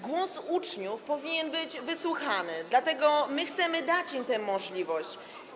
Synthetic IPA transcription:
ɡwɔsut͡ʂɲufpɔvʲiɲɛnbɘd͡ʑvɘswuxanɘd̪lat̪ɛɡɔmɘxt̪sɛmɘd̪at͡ɕimt̪ɛ̃mɔʐlʲivɔɕt͡ɕ

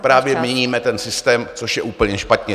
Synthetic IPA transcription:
pɾaːvjɛmɲɛɲiːmɛt̪ɛnsɪst̪ɛːmt͡soʃjɛʔuːpl̩ɲɛʃpat̪ɲɛ

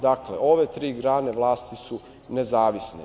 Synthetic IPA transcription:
d̪akleʔo̞ʋet̪ɾiːɡɾaːneʋlˠaːst̪isu | nezaːʋisnḛ

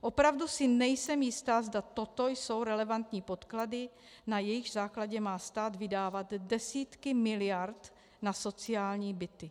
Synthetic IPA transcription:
ʔo̞pɾavdusɪnɛjsɛmjɪst̪aːzdat̪o̞t̪o̞jso̞wɾɛlɛvant̪ɲiːpo̞t̪kladɪ | najɛjɪɣzaːklaɟɛmaːst̪aːd̪vɪdaːvat̪dɛsiːt̪kɪmɪlɪjaɾt̪ | naso̞t͡sɪaːlɲiːbɪt̪ɪ

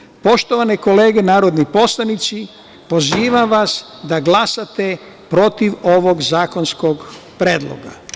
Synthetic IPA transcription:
po̞ʃt̪o̞ʋaneko̞le̞ːɡenaːɾod̪nipo̞slˠanit̪si | po̞ziːʋamʋas | d̪aɡlasat̪e | pɾo̞t̪iʋo̞ʋo̞ɡzaːko̞nsko̞ɡ | pɾeːd̪lˠo̰ɡa̰

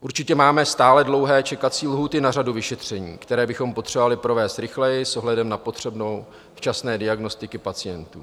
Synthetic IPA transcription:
ʔuɾt͡ʃɪcɛmaːmɛst̪aːlɛdlo̞wɦɛːt͡ʃɛkat͡siːlɦuːt̪ɪnaraduvɪʃɛt̪r̝̥ɛɲḭːkt̪ɛɾɛːbɪxo̞mpo̞t̪r̥ɛbovalɪpɾo̞vɛːst̪ɾɪxlɛjɪsʔo̞ɦlɛdɛmnapo̞t̪r̝̥ɛbno̞w | ft͡ʃasnɛːdɪaɡno̞st̪ɪkɪpat͡sɪjɛnt̪ṵː

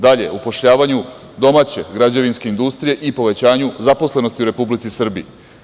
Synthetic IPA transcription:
d̪aʎe̞̰upo̞ʃʎaːʋaɲu | d̪o̞maːt͡ɕe̞ɡɾad͡ʑaʋinske̞ind̪ust̪ɾije̞ʔipo̞ʋe̞t͡ɕaːɲuzapo̞sle̞nost̪iuɾe̞publit̪sisr̩bḭ

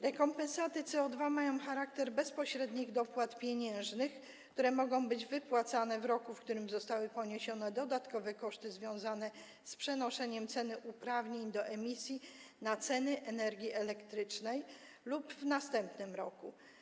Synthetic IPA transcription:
ɾɛkɔmpɛ̃nsat̪ɘt̪sɛɔd̪vamajɔ̃w̃xaɾak̚t̪ɛɾbɛspɔɕɾɛd̪ɲiɣd̪ɔpwat̪pʲjeɲɛ̃w̃ʐnɘxk | kt̪uɾɛmɔɡɔ̃w̃bɘd͡ʑvɘpwat̪sanɛvɾɔkufkt̪uɾɘmzɔst̪awɘpɔɲeɕɔnɛd̪ɔd̪at̪kɔvɛkɔʂt̪ɘzvʲjɔ̃w̃zanɛ | spʂɛnɔʂɛɲɛmt̪sɛnɘʔupɾavɲeɲd̪ɔʔɛmʲisʲjinat̪sɛnɘʔɛnɛɾɡʲiʔɛlɛkt̪ɾɘt͡ʂnɛj | lubvnast̪ɛmpnɘmɾɔku

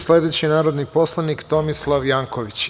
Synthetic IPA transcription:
slʲe̞d̪e̞t͡ɕinaːɾod̪nipo̞slˠanikt̪o̞mislˠaʋjaːŋko̞ʋit͡ɕ

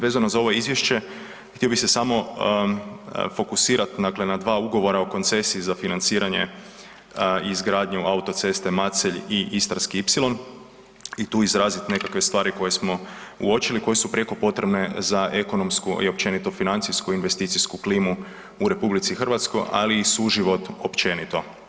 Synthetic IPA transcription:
ʋezanozao̞ʋoizʋje̞ʃt͡ɕe̞ | xt̪io̞bise̞samo̞ | fo̞kusiːɾat̪d̪akle̞nad̪ʋaːuɡo̞ʋo̞ɾaoko̞nt̪se̞siːzafinant̪siːɾaɲe̞̰ | iːzɡɾaːd̪ɲuʔaut̪o̞t̪se̞st̪e̞mat̪seʎiʔist̪ɾaskiipsilˠo̞n | it̪uːizɾaːzit̪ne̞kakʋe̞st̪ʋaːɾiko̞je̞smo̞uo̞t͡ʃiliko̞je̞supɾe̞ko̞po̞t̪ɾe̞bne̞zaʔe̞ko̞no̞mskuḭop̚t͡ʃe̞nit̪o̞finant̪sijskuinʋe̞st̪iːt̪sijskukliːmu | uɾe̞publit̪sixr̩ʋat̪sko̞jʔa̰liːsuʒiʋo̞t̪o̞pt͡ʃe̞nit̪o̞

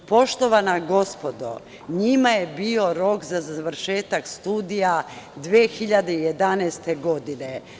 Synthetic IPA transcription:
po̞ʃt̪o̞ʋanaɡo̞spo̞d̪o̰ | ɲimajebio̞ɾo̞kzazaʋɾ̩ʃeːt̪akst̪uːd̪ijad̪ʋexiʎad̪e̞ije̞d̪anɛst̪eɡo̞d̪ine

